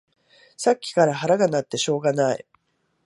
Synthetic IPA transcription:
sakʲːi̥kaɾaɦaɾaɡanat̪ːe̞ɕo̞ːɡanaḭ

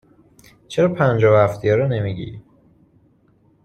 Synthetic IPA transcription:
t͡ʃʰeɾɒːpʰænd͡ʒɒːvhæft̪ijɒɾɔnemiɟḭ

